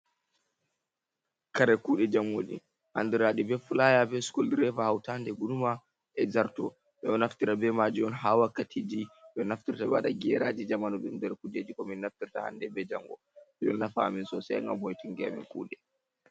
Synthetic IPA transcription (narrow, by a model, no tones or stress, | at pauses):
kaɾɛkuːɗɛd͡ʒamːo̰ɗḭ | ha̰ndiɾaɗibɛfulajabɛskoldɾɛvahawtandɛɡunuma | ʔɛzaɾtɔ | ɓɛɔnaftiɾabɛmad͡ʒiɔnɦawakːatʰid͡ʒiɓɛnaftiɾtabɛwaɗaɡɛɾad͡ʒid͡ʒamanɔɗundɛɾkud͡ʒed͡ʒikɔminːaftiɾta̰ha̰ndɛbɛd͡ʒaŋɡɔ̰ | ɛɗɔ̰nːafaa̰minsɔsɛ̰ŋɡa̰mhojtiŋɡɛa̰mḭnkṵːɗɛ